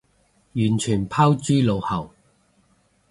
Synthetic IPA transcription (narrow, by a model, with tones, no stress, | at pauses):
jyː˨˩nt͡ʃʰyː˨˩npʰaː˥wt͡ʃyː˥lo˨˧whɐ˨˩w